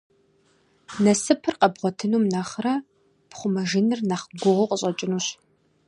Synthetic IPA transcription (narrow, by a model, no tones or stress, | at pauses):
nɐsɨpʰɨrqɐbʁʷɔtʰɨnuːmnɐχrɐ | pχʷʊmɐʒɪnɨrnɐχɡʷʊʁʊqʼəɕʼɐt͡ʃʼɪnuːɕ